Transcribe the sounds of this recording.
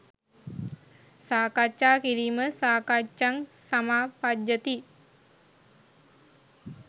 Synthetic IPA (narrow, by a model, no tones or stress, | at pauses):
saːkat͡ʃːaːkiɾiməsaːkat͡ʃːaŋsamapad͡ʒːət̪i